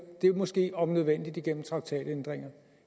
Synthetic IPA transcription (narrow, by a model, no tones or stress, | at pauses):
d̥e̝mɒ̽sɡ̥e̝̰ːɒ̽mnøð̞ˠʋen̰d̥id̥iɡ̥en̰m̩t͡sʰʁɑ̈ɡ̥̚t͡sʰɛ̰ːd̥end̥ʁeŋ̰ɐ